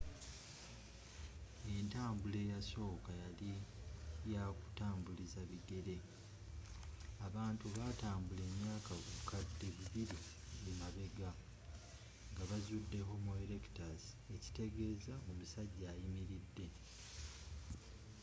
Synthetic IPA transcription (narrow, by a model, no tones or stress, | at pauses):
e̞ntaːmbule̞ːjaso̞ːkajali | jaku̥taːmbulizaβiɡe̞ɾe̞ | aβaːntuβataːmbule̞mjaːkakukʰadːe̞βiβiɾi | jemaβe̞ɡa | ŋɡaβazudːe̞ɦo̞muele̞ki̥tazi | e̞ci̥te̞ɡe̞ːzaomusaɟːaːjimiɾidːe̞